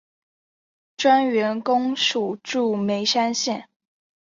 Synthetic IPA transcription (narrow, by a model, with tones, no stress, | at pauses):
ʈ͡ʂwa˥nɥɛ˧˥nkʊ˥ŋʂu˨˩ʈ͡ʂu˥˩me˧˥ɪʂa˥nɕjɛ˥˩n